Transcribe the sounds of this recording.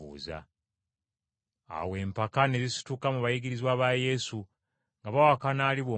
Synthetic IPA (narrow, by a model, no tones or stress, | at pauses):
uːza̰ | a̰we̞ːmpakane̞zisi̥tukamuβajiɡiɾizwaːβaje̞su | ŋɡaβawakanaːliβwo